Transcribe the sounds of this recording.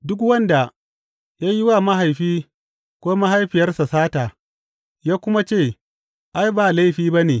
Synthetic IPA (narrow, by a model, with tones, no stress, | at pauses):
dʊ˦kwɐ˦nda˨ | jaː˦jɪ˦wa˦˨ma˦ɦa˨jɸiː˦ | kʷoː˦ma˦ɦa˦jɸɪ˨jɐ˦rsa˨saː˦taː˨ | jaː˦kʷʊ˦ma˦t͡ʃeː˦˨ | ʔa˦jbaː˨la˦ɸiː˦ba˦neː˨